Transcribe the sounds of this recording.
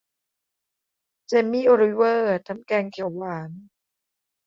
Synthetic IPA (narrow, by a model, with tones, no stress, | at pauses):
t͡ɕe˧mːiː˥˨ʔo˧ɾi˦˥wɤː˥˩t̪ʰa˦˥mkɛː˧ŋkʰi˨˩˦wwaː˩˦n